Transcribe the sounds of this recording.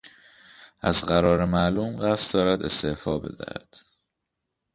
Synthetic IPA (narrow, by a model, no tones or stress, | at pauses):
ʔæzɢæɾɒːɾemæʔluːmɢæst̪d̪ɒːɾæd̪e̞st̪e̞fɒːbe̞̰d̪æ̰hæ̰d̪̥